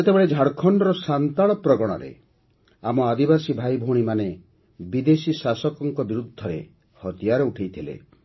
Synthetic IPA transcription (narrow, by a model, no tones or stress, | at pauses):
et̪ebeɭed͡ʒʱaɽkʰɔɳɖɔɾɔsant̪aɭɔpɾɔɡɔɽ̃ɔ̰ɾḛ | amɔad̪ibasibʱajbʱuɽ̃imane | bid̪esisasɔkɔŋkɔbiɾud̪ʱːɔɾḛ | hɔt̪ijaɾɔuʈʰejt̪ʰilḛ